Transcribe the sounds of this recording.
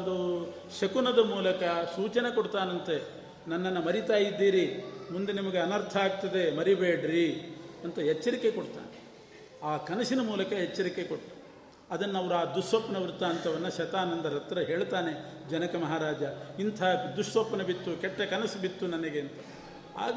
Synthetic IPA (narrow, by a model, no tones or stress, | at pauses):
d̪u | ʃɐkunɐd̪ɐmuːlɐkɐsuːt͡ʃɐnekoɽt̪aːnɐnt̪e | nɐnːɐnːɐmɐɾit̪aːjid̪ːiːɾimund̪enimɐɡeɐnɐɾt̪ʰɐaːɡ̚t̪ɐd̪e̞mɐɾibeːɖɾiɐnt̪ɐɦɛt͡ʃːɐɾikːe̞koɽt̪a̰ːne | aːkɐnɐsinɐmuːlɐkɐɦet͡ʃːɐɾike̞koɽʈːu̥ | ɐd̪ɐnːɐʋɐɾuaːd̪usʋɐpːɐnɐʋɾut̪ːaːnt̪ɐʋɐnːɐʃɐt̪aːnɐnd̪ɐɾɐt̪ːɾɐɦe̞ːɭt̪aːne̞d͡ʒɐnɐkɐmɐɦaːɾaːd͡ʒɐint̪ʰad̪uʂʋɐpːɐnɐbit̪ːukɛʈːɐkɐnɐsibit̪ːunɐnɐɡeɐnt̪ɐ | a̰ːɡ